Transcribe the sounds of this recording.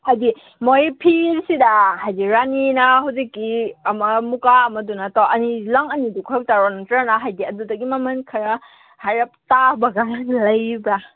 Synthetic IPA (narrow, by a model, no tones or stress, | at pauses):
hajdi | mojpʰiɾsidahajdiɾaninaɦuwzikːiɐmɐmukaɐmɐdunataʔɐnilaŋɐnidukʰɔjɔk̚taɾɔntɾanaɦajdiɐdudɐɡimɐmɐnkʰɐɾɐ | hajɾɐp̚tabɐɡalɐjbɾa